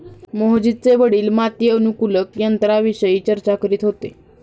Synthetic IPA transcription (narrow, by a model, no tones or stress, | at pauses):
moɦd͡ʑit͡seʋəɽiːlmat̪jəːnukuləkjənt̪ɾaʋiɕəjiːt͡ɕəɾt͡ɕakəɾiːt̪ɦot̪e